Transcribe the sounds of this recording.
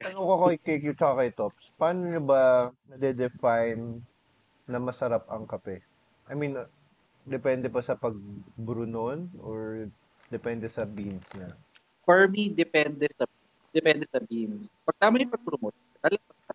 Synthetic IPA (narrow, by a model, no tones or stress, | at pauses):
ɐlokokɐkɐkjʊt͡ʃɐkakɐjt̪opspɐaːnoɲʊbɐnɐd̪ɛd̪ɛfajnː | ɐmɐsɐɾap̚ɐŋkɐpɛ | ʔɐjmin | d̪ɛpɛnd̪ɛbɐsɐpɐɡ̚bɾʊnonʔoɹ | d̪ɛpɛnd̪ɛsɐbinsnɐ | fɔɹmid̪ɛpɛnd̪ɛsɐ | d̪̥ɛpɛnd̪ɛsɐbinspɐɡ̚t̪amɐjɪpɐɡ̚bɾʊmon | t̪ɐlɐɐa